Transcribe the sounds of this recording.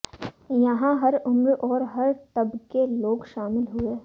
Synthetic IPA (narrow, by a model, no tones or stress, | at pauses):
jɐɦãɦɐɾʊmɾɔːɾɦɐɾt̪ɐbkeloːɡʃaːmɪlɦʊeː